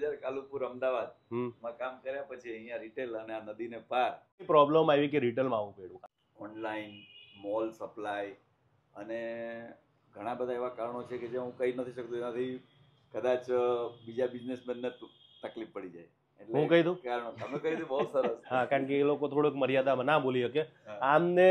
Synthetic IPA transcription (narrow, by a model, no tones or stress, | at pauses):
d͡ʒaɾkalupuɾəmd̪aʋad̪̚ɦmãkamkəɾjapət͡ʃʰiəɦĩjãɾiʈeləneanəd̪inepaɾ | ipɾɔbləmaʋik̬eɾiʈ̬elmãaʋũpeɽũk | ɔnlainmɔlsəplaj | əne | ɡʱəɽ̃ãbəd̪ʱaeʋakaɾɳ̃ot͡ʃʰeked͡ʒãɦũkəinət̪ʰiʃək̚t̪uenat̪ʰi | kəd̪at͡ʃbid͡ʒabid͡ʒnesmɛnːe | t̪əklippəɽid͡ʒaj | elɦũkəɦid̪ũkaɾɳoəmekəɦid̪ũbəɦusəɾəsɦãkaɾəɳkeːlokot̪ʰoɽoekməɾjad̪amanabolijəke | amne